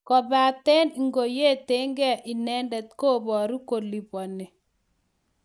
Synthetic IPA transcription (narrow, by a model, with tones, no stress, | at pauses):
kɔ˨ba˨t̪ɛ˦ni˨ŋɡo˨je˦˨t̪e˦ŋɡɛ˦ʔi˨nɛ˦ndɛ˨t̪̚ko˦˨bɔ˨ɾu˦ko˨li˨pɔ˨ne˨